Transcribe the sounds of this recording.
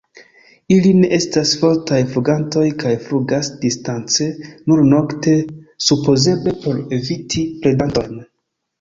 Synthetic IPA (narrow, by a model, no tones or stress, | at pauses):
iline̞ʔe̞stasfo̞ɾtajfluɡanto̞jkajfɾuɡasdistant͡se̞nuɾno̞kte̞supoze̞ble̞po̞ɾevitʰiple̞danto̞jn